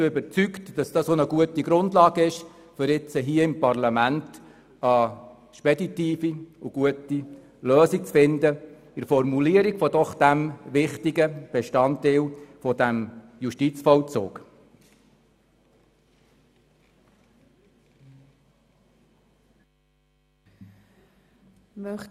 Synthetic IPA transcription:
ʏbəɾt͡syktd̥ɑsd̥ɑːsonəɡuətiɡɾʊndlɑːɡəɪʃ | fʏɾɪt͡səɦiːəɪmpɑrlɑmænt | ə | ʃpɛditiːfiuɡ̥uəti | løːsik̚t͡sfɪndə | ɪɾfɔɾmuliəɾiɡ̥fɔdɔχd̥æmʋɪχtiɡəb̥ɛʃtɑntɪːlfɔd̥æmjuʃtit͡sfɔlt͡so̰ːk | mœ

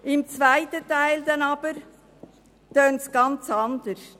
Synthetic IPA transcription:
ɪmt͡svaɪtətaɪld̪ɛnɑbəɾ | t̪øːnsɡ̥ɑnt͡sɑnd̪əs

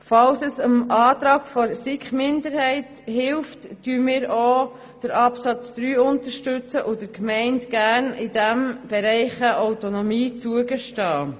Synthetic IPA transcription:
fɑlsəsəmʔɑːtɾɑːɡ̥fɔɾsɪkχmɪnd̪əɾhɛɪt | hɪlftd̥yəmɪːɾoː | d̥əɾɑpsɑt͡sd̪̥ɾyːʊntəɾʃtʏt͡səʔʊd̥əɾkmɛɪntɡæɾnɪdæmb̥ɛɾɛɪχəʔawtonɔmiːt͡suəɡəʃtɑː

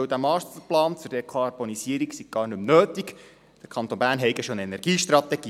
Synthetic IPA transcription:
wd̪æmɑːtəplɑːnt͡sʊɾd̥ekʰɑɾb̥onisiəɾiksiɡ̥̚ɡ̥ɑːrnɵmnøːtik | d̥əɾkʰɑnt̪onbæːɾnɦɛɪɡəʃonɛnɛɾɡ̥iːʃt̪rɑt̪ɛɡ̥iː

